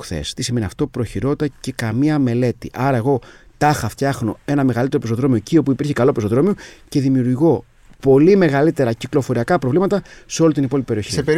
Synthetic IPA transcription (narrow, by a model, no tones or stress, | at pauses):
xθḛst̪isime̞niɐ̰ft̪o̞pɾo̞çiɾo̞t̪ɐce̞kɐmiɐme̞le̞t̪ḭʔɐɾɐe̞ɣo̞t̪ɐxɐft̪çɐxno̞e̞nɐme̞ɣɐlit̪eɾo̞pesoðɾo̞miocio̞puipiɾçikɐlo̞pes̬oðɾo̞mioce̞ðimiuɾʝo̞ | po̞lime̞ɣɐlit̪e̞ɾɐciklo̞fo̞ɾiɐkɐpɾo̞vlimɐt̪ɐseo̞lit̪inipo̞lipipeio̞çisiee